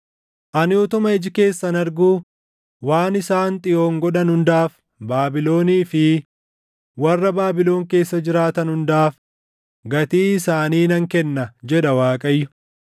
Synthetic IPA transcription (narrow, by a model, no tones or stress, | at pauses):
ʔɐnɪɔt̪ʊmɐɪd͡ʒɪke̞ːsːɐnɐɾɡuː | waːnɪsaːnt̪ʼɪjo̞ːŋɡɔᶑɐnhʊnd̪aːf | baːbɪlo̞ːniːfɪ | wɐrːɐbaːbɪlo̞ːŋke̞ːsːɐd͡ʒɪɾaːt̪ɐnhʊnd̪aːf | ɡɐt̪iːɪsaːniːnɐŋkɛnːɐd͡ʒɛᶑɐwaːkʼɐjːʊ